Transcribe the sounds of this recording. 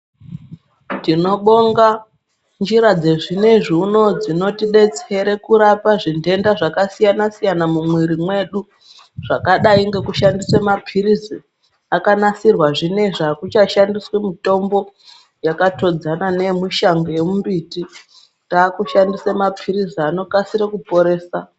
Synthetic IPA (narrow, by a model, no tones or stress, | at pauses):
tino̞ɓo̞ŋɡa | nd͡ʒiɾad͡ze̞ʐine̞ʐiuno̞d͡zino̞tiɗe̞t͡se̞ɾe̞kuɾapaʐinde̞ndaʐakasijanasijanamumwiɾimwe̞ɗu | ʐ̥akaɗaiŋɡe̞kuʃandisemapʰiɾizi | akanasirwaʐine̞ʐakut͡ʃaʃandiswemito̞mbo̞ | jakato̞d͡zanane̞miʃaŋɡojemumbiti | taːkuʃandisemapʰiriziano̞kasiɾekupo̞ɾe̞ːsa